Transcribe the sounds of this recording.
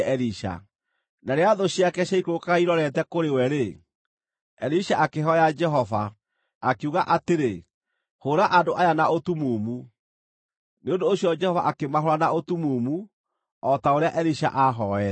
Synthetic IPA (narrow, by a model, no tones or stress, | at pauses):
ɛɾiʃa̰ | naɾeaðoɕjakɛɕaikokaiɾɔɾɛtɛkoɾewɛɾe | ɛɾiɕaʔakeɦɔjad͡ʒɛɦɔva | akeuɣaʔateɾe | hoɾaʔadoʔajanaotumuːmu | neondoːɕjɔd͡ʒɛhɔvaʔakemaɦoɾanaotumumu | ɔtaoɾeaʔɛɾiɕa̰ʔaɦɔɛ